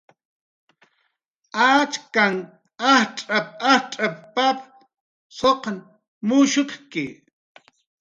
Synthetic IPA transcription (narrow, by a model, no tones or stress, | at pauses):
at͡ʃkaŋ | ahʈ͡ʂʼap̚ahʈ͡ʂʼappap | soqn | mʊʃʊt̪kɪ